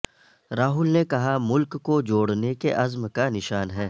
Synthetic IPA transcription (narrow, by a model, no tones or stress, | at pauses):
ɾaːɦʊlnekɐɦamʊlkːod͡ʒoːɽnekeʔɐzmkanɪʃaːnɦɛː